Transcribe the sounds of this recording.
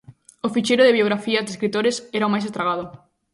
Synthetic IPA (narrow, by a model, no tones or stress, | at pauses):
ʊfit͡ʃeɾʊðɪβjoɣɾafiɐzd̪eskɾit̪oɾesɛɾaomajs̬est̪ɾaɣ̞aðʊ